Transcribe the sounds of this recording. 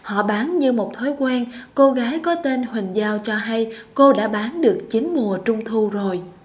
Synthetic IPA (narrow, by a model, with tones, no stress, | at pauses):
hɔ̰˧˨ɓaː˨˦nɲɨ˧mo˨˩t̚t̪ʰo˨˦jkwɛ˧nko˧ɣaː˨˦jkɔ˨˦t̪e˧nhwï˨˩ŋ̟zaː˧wt͡ɕɔ˧ɦa˧jko˧ɗa̰ː˧˥ɓaː˨˦nɗɨ˨˩ək̚t͡ɕï˨˦ŋ̟mu˨˩ət͡ɕʊ˧wŋ͡mt̪ʰu˧zo˨˩j